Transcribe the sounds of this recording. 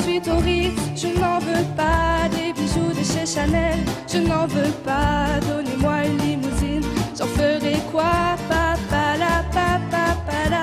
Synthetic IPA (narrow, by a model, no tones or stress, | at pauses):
sɥit̪oʁiʒənɑ̃vøpad̪ebiʒud̪əʃeʃanɛlʒ̥ənɑ̃vøpad̪ɔnemwaynlimuzinʒ̥ɑ̃fəʁɛkwapapalapapapala